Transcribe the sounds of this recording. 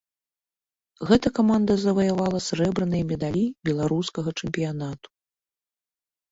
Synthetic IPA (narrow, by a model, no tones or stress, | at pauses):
ɣɛt̪ɐkamand̪ɐzɐvɐjavalˠɐsɾɛbɾɐnɨjɐmʲɛd̪alʲibʲɛlˠaɾuskɐɣɐt͡ʂɛmʲpʲijanat̪u̥